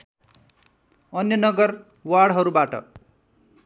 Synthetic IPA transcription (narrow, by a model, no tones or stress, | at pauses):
ʌnjʌnʌɡʌr | waɽɦʌɾubaʈʌ̰